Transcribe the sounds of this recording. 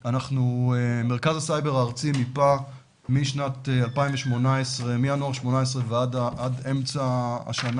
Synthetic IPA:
anaχnueme̞ʁkazasajbe̞ʁaʁt͡simipa | miʃnat̪ealpaĩmveʃmo̞naesʁemianoaʁʃmo̞naes̬ʁeveadʔademt͡saa̰ʃana

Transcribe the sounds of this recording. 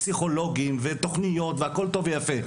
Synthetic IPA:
siχo̞lo̞ɡimvet̪o̞χnijo̞t̪vehako̞lt̪o̞vejafe

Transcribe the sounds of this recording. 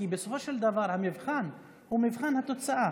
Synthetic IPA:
ibɪsofoʃald̪avɑːɾˤhamɪvxaːn | humɪvxaːnhat̪ʊt͡saʔa

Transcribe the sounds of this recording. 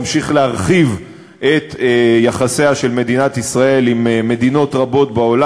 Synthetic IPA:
mʃiχlehaʁχiv | ʔet̪jaχaseaʃe̞lme̞dinat̪isʁae̞limme̞d̪ino̞tʁabo̞t̪bao̞la

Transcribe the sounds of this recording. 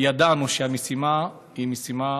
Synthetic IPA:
jad̪anuʃeamesima | himesima

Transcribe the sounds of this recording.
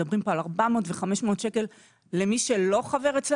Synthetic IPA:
abʁimpo̞alaʁbamo̞ːtveχameʃmeot̪ʃe̞ke̞lː | emiʃe̞lo̞χave̞ʁet͡sl

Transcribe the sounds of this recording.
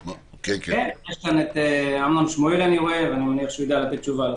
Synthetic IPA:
okekkenjeʃkanet̪eamnamʃmoelaniʁoevanimaniaχʃujid̪alat̪et̪̚t͡ʃuval

